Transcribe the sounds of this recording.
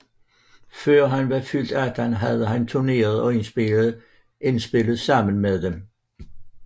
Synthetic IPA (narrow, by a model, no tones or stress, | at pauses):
fɶɐ̰ɦænʋɑfyl̰d̥æd̥ænɦæðˠəɦænt͡sʰune̝̰ːɐðˠɒ̽en | ensb̥e̝ləð̩ˠsɑ̈m̰ən̩meðˠdem